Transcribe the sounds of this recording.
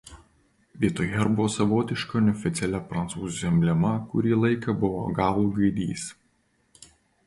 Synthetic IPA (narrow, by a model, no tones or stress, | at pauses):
ʋʲiɛt̪oːjɛɾbʊʋoːsɐʋoːt̪ʲɪʃkɐnʲɔfʲɪt̪sʲɛlʲɛpɾɐnt̪suːzʲjʲɛmʲbʲlʲɛmɐkʊ̰ɾʲiːlˠɐɪkɐbʊʋo̰ɡɑːlˠuːɡɐɪd̪ʲḭːs